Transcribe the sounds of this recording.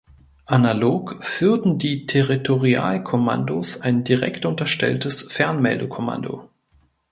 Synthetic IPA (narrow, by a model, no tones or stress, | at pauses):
ʔanaloːkfyːɐtn̩diːtʰeʁitʰoʁia̰ːlkʰoma̰ndosaɪndiʁɛ̰ktʔʊntɐʃtɛ̰ltəsfɛɐnmɛ̰ldəkʰɔma̰ndo̰